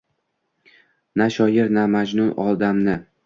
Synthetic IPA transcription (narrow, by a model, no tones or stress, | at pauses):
naʃɒjɪɾnamad͡ʒnʊnɒlˠd̪amnɪ